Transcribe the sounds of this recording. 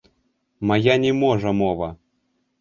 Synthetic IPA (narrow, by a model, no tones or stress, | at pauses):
majanʲɛmɔʐɐmɔvɐ